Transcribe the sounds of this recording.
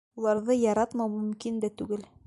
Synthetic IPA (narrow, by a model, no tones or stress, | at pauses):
ulˠɑɾðɤjɑɾɑt̪mɑwmɵ̆mkind̪æt̪ʉɡɘl